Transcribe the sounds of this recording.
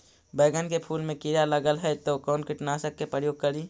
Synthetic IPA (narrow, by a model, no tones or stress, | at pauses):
bəːɡənkepʰuːlmẽkiɾaləɡəlɦɛt̪okɔːnkɪʈnasəkːepɾəjoːɡ̚kəɾiː